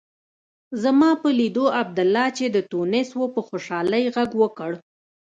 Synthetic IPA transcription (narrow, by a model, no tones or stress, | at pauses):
zamɑpəlid̪oab̚d̪ʊlːɑt͡ʃed̪ət̪unɪswopəxoʃɑləjɣaɡwəkəɽ